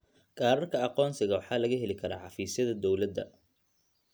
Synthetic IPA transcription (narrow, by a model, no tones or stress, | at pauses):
ɡʰʼaːɾɐrkʰɐɑqɔːnsɪɣɐwɑħɑːlɐɣɐɦɛlɪkʰɐɾa̰ːʕɑfiːsjɐðɐd̪ɔwlɐd̪ːɐ̰